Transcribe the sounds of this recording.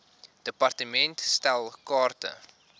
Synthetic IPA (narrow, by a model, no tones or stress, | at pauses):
d̥əpɐrtəmɛntstælˠkɑːrtə̰